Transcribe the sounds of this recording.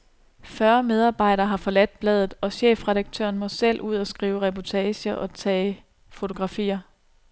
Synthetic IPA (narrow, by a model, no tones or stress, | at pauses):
fɶɐmeð̞ˠɑ̈ːb̥ɑ̈ɪ̰ɾɐːɦɑ̈fɒ̽læd̥̚b̥lɛːðˠð̩ˠɒ̽ɕḛːfʁɛɾɑ̈ɡ̥̚t͡sʰø̰ɐnmɒ̽sel̰ʔuð̞̰ˠɒsɡ̥ʁiːʊʁɛpʰɒt͡sʰɛːɕɐʔɒ̽t͡sʰɛ̰ː | fo̝t͡sʰo̝ɡ̥ʁɑ̈fḭːɐ